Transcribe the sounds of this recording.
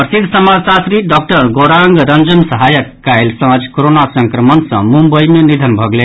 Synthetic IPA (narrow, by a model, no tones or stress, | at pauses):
pɾəsid̪ʱsəmasasɾiɖɔk̚ʈəɾɡoɾaŋɡɾʌnd͡ʒənsəɦajəkːajlsʌ̃ad͡ʒkoɾonasəŋkɾəmənsʌ̰̃mumbəjmenid̪ʱənbʱʌɡlen